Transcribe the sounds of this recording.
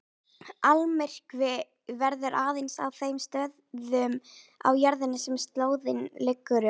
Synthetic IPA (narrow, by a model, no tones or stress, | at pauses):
almɛr̥kvɪ | vɛɾðʏɾʔaːðejnsa̰wθejmst̪œːððʏma̰wjaɾðɪnːɪsɛmst̪loːwðɪnlɪkːʏɾʏ